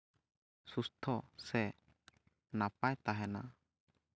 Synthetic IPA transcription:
sust̪ʰɔsɛ | napajt̪aɦɛna̰

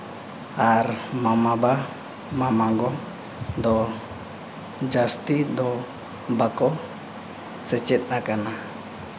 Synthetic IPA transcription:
armamaba | mamaɡɔ | d̪ɔ | d͡ʒast̪id̪ɔ | bakɔ | sɛt͡ʃɛt̪̚ˀnakana

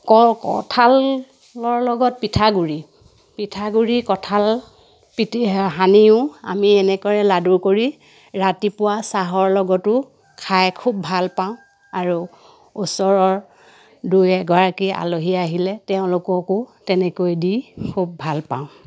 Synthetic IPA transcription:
kɔkɔ̰tʰal | ɔɹlɔɡɔt̚pitʰaɡuɹi | pitʰaɡuɹikɔtʰal | piɦaniʊ̃a̰miɛnɛkɔɹɛladuɹkoɹi | ɹatipʊwasaɦɔɹlɔɡɔtʊ | kʰajkʰub̚bʱalpaʊ̃ | aɹu | usɔɹɔɹ | dujɛɡɔɹakia̰loɦijaaɦilɛtɛʊ̃lʊkɔkʊtɛnɛkojdikʰub̚ːʱalpa̰ʊ̃

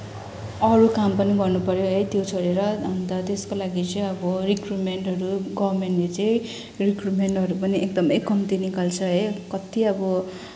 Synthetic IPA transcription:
ʌɾukampʌniɡʌrnupʌɾjoɦʌjt̪jot͡sʰʌɾeɾʌʌnt̪ʌt̪eskolaɡit͡sʌĩʌbʌrikruʈmeɳʈɦʌɾuɡʌbrmenʈːlet͡sʌĩ | rikruʈmeɳʈʌɾupʌniʔek̚d̪ʌmʌjkʌmt̪inikalt͡sʰʌɦʌjkʌt̪iʌbʌ

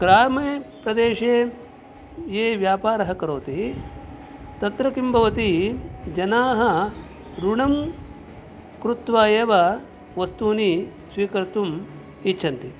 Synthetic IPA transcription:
ɡɾaːmeːpɾɐd̪eːʂeː | jeːʋjaːpaːɾɐɦɐkɐɾoːt̪i | t̪ɐt̪ɾɐkimbʱɐʋɐt̪id͡ʒɐnaːɦɐ | ɾuɳɐm | kɾut̪ʋaːjeːʋɐ | ʋɐst̪uːni | sʋiːkɐɾt̪um | it͡ʃːʃʰɐnt̪i

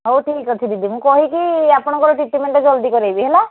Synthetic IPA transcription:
ɦoʈʰikɔt͡ʃʰid̪id̪imũkɔɦikiapɔɽ̃ɔ̃ŋkɔɾɔʈiʈimeɳʈɔd͡ʒɔld̪ikɔɾajbiɦela

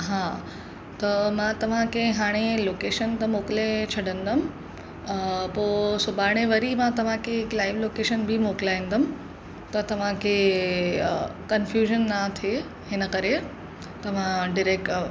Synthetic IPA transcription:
ɦaː | t̪ɐmãt̪ɐʋ̤ãkɐ̃ɪ̃ɦaːɽ̃eloːkeːʃənt̪ɐmoːkɪlet͡ɕʰɐɽə̃nd̪əmɪ̆ | poːsʊbaːɽ̃eʋɐɾimãt̪ɐʋ̤ãkʰeɦɪklaːɪʋloːkeːʃənbʱimoːkɪlaːĩnd̪əmɪ | t̪ɐt̪ɐʋ̤ãkʰe | kɐnfjuːʒənːat̪ʰe | ɦɪnə̆kɐɾe | t̪ɐʋ̤ãɖɪɾeːkʈ

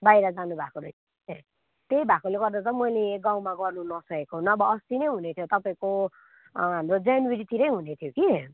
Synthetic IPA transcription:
bajɾʌd͡zanubʱakoɾʌjʰ | t̪ejbʱakoleɡʌrd̪at͡sʌmʌjleɡaw̃maɡʌrnunʌsʌkekoɦunːʌːbʌʌst̪inʌjɦunet̪ʰjot̪ʌpaĩko | ɦamrod͡zanweɾit̪ʰiɾʌjɦunet̪ʰjoki

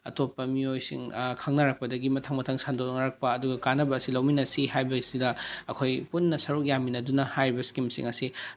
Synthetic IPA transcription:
ɐ̰topːɐmiojsḭŋkʰɐŋnɐɾɐk̚pɐdɐɡimɐtʰɐŋmɐtʰɐŋsandolnɐɾɐk̚pɐːduɡɐkanɐbɐːsilɐwminɐsihajbɐsidɐɐkʰojpunːɐsɐɾuk̚jaminɐdunɐhajɾibɐskimsḭŋɐsi

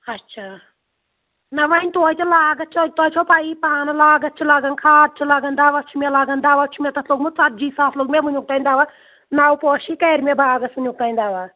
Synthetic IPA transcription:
ɐtːt͡ʃʰaː | nɐʋaːnʲt̪oːjt̪ʰulaːɡɐt̪̚t͡ʃʰot̪oːt͡ʃʰopaipaːnɐlaːɡɐt̪̚t͡ʃʰulaːɡɐnkʰaːd̪̚t͡ʃʰulaːɡɐnd̪aːʋat͡ʃʰumʲelaːɡɐnd̪aːʋat͡ʃʰumʲet̪ɐt̪ʰloːɡmut͡sɐt̪̚d͡ʒiːsaːt̪ʰloːɡmeʋunʲuk̚t̪aːinʲd̪aːʋa | naːwpɔːʃikɐːɾmebʱaːɡɐsunʲuk̚t̪aːinʲd̪aːʋaː

